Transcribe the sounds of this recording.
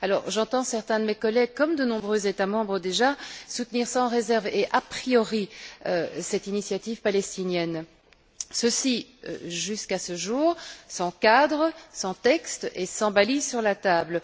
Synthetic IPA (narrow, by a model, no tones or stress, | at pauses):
alɔ̰ʁʒɑ̃t̪ɑ̃sɛʁt̪ɛ̃d̪əmekɔlɛɡ̚kɔmd̪ənɔ̃bʁøzet̪amɑ̃bʁəd̪eʒasut̪niʁsɑ̃ʁezɛʁveʔapχijɔʁiøsɛt̪inisjat̪ivpalɛst̪injɛn | səsiø̰ʒyskasəʒuːʁsɑ̃kad̪ʁəsɑ̃t̪ɛkst̪esɑ̃balisyʁlat̪abl